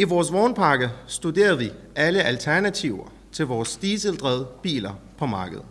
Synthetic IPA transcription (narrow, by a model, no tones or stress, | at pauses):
iʋɒːsʋɒːnpʰɑ̈ɡ̥əsd̥ud̥e̝̰ːɐðˠʋi | æləʔælt͡sʰæɐnæt͡sʰiʊɐ | t͡sʰe̝lʋɒːsd̥iːsəld̥ʁɛðˠb̥ḭːlɐpʰɒ̽mɑ̈ːɡ̥əð̞̩ˠ